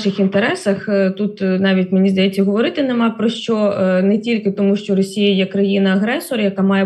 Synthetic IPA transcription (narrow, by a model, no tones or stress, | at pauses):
ʃɪxint̪eɾɛsɐxt̪ut̪nɑʋʲitʲmenʲizd̪ɐjet͡sʲːɐɦɔʋɔɾɪt̪ɪnɛmɑpɾɔʃt͡ʃɔnɛtʲilʲkɪt̪ɔmuʃt͡ʃɔrɔsʲijɐjɛkɾɐjinɐɐɦɾɛsɔɾjɐkamɑjɛ